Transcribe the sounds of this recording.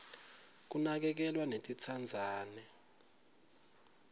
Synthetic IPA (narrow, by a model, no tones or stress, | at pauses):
k̬unak̬ɛk̬ɛlwanetʼit͡sʰand͡zʱaːnɛ